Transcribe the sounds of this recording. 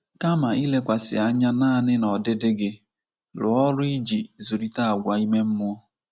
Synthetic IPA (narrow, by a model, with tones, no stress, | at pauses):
ka˦ma˨i˦le˦kʷa˨sɪ˨a˦ɲa˦naː˦˨nɪ˦nɔ˨dɪ˦dɪ˦ɡɪ˦ | lʊ̰˨ɔ˦lʊ˦i˦d͡ʒi˨zu˨ɾi˦ta˦a˨ɡʷa˨i˦me˦m̩˦mʊ˦